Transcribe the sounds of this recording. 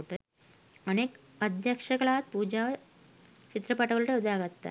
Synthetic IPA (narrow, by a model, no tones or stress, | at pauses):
ʈə | əneːk | əd̪ʱjɐkʂɐɡɐɭat̪̚puːd͡ʑaʋ | t͡ɕit̪ɾɐpaʈɐɡɐɭuʈeud̪ʱaɡat̪ːa̰